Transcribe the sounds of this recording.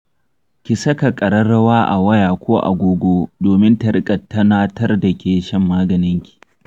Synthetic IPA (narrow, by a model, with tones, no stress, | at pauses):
kʲɪ˨sɐ˦ka˨kʼɐ˨ɾɐ˦ɽɐ˦waː˦ʔa̰˨wɐ˦jaː˨kʷʰoː˦ʔa̰˨ɡʷoː˦ɡʷoː˦doː˨mɪ˦ntɐ˨ɽkʼɐ˨tːɐ˦naː˦tɐ˦rdɐ˨kʲʰeː˨ʃɐ˦mːaː˦ɡɐ˨nɪ˦ŋkʲi̥˨